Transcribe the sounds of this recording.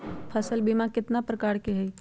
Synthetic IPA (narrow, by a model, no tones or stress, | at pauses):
pʰəsəlbimãkɪt̪napɾəkaːɾkeɦɛiː